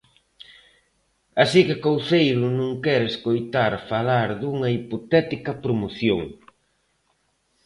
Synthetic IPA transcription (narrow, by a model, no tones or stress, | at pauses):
asikɪkowθejɾʊnũŋkɛɾeskojt̪aɾfalaɾðuŋɐipot̪ɛt̪ikɐpɾomoθjoŋ